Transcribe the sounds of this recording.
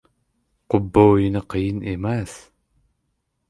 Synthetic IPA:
qʷʊbːɐwjinɐqəjinemas

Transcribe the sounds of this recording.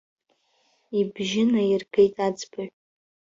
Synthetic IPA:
ibʒɪnairɡʰejtʼad͡zbɨʕʷ

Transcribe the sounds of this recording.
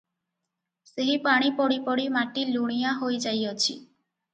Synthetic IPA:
seɦipaɽ̃ipɔɽipɔɽimaʈiluɽ̃ijaɦojd͡ʒajɔt͡ʃʰḭ

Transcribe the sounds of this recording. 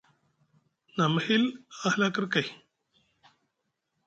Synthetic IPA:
namhilahlakəɾkaj

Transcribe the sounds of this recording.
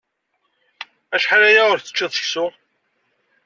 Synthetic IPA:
æʃħaɾæjaʊɾθə̥t͡ʃːiðˤə̥çsʊ

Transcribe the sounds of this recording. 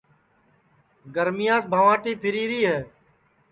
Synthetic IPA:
ɡəɾmɪjãːsbʱaːʋãːʈeːpʰɪɾiːɾiːɦɛː

